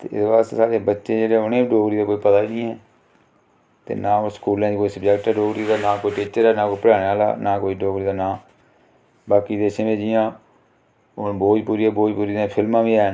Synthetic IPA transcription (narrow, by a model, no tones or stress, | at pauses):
t̪ḛːɪ̰sbaːst̪ḛːsaːɾeːbətːʃeːd͡ʒeːɽeʊnẽːbiɖoːɡɾiːd̪aːkoːiːpət̪aːinĩːɦɛː | t̪ḛːnaːoskuːlãd͡ʒiːkoːiːsəbd͡ʒɛkʈɛːɖoːɡɾiːd̪aːnaːkoːiʈiːt͡ʃəɾɛːnaːkoːipəɽaːneːaːla̰ːnaːkoːiːɖoːɡɾiːd̪aːnãː | baːkiːd̪eːsɪmẽːd͡ʒɪjãː | ʊnboːd͡ʒpuːɾiːɛːboːd͡ʒpuːɾiːd̪ẽpʰɪlmãːʋiːɛː